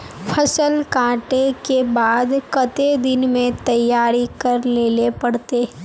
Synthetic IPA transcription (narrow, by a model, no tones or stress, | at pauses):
pʰɐsəlkãːʈekebaːd̪kɐt̪ed̪ɪnmẽt̪ɐjːaːɾikɐɾleːlepɐɽt̪eː